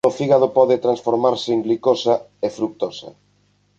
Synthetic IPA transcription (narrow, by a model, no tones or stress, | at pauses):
ofiɣaðopɔðɪt̪ɾansfoɾmaɾsɪiŋɡlikosa | efɾuk̚t̪osɐ̰